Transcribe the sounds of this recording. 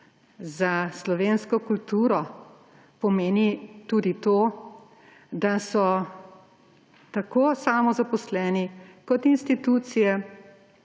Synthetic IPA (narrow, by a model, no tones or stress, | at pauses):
zaslɔʋeːnskɔkult̪uːɾɔ | pɔmeːnit̪ud̪it̪oː | d̪asɔ | t̪akoːsaːmɔzapɔslɛːnikɔt̪inst̪it̪uːt̪sijɛ